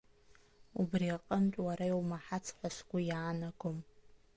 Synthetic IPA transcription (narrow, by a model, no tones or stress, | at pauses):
ubriqʼəmtʼwaɾajwmaħat͡sʰħʷasɡʷʊjaːnaɡʷʊm